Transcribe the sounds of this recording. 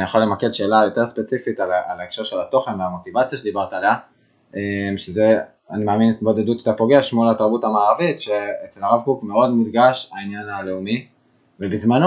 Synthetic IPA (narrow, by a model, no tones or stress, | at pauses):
nijaχolemake̞dʃe̞ːlajo̞te̞ʁspet͡sifitalaalaekʃaʁʃelato̞χe̞nveamo̞tivat͡sjaʃe̞d̪ibaʁtaːlea | emʃeze̞ | animaːminetbo̞d̪e̞dutʃḁt̪apo̞ɡe̞ʃmulataʁbutamaːʁavitʃe̞et͡selaʁavkukme̞o̞dmudɡaʃainjanale̞umi | vebizmano